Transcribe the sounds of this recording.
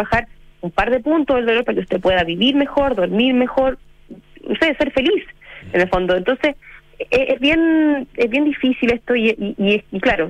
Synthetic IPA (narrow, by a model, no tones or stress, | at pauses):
axaɾumpaɾðe̞punt̪oɦeld̪o̞loɾpaɾakeust̪e̞pwe̞ðaβiβiɾme̞xo̞ɾðo̞ɾmiɾme̞xo̞ɾ | nosese̞ɾfe̞lisenelfo̞nd̪oent̪o̞nses | ʔezβjenezβjend̪ifisileht̪o̞iʔiʔieiklaɾo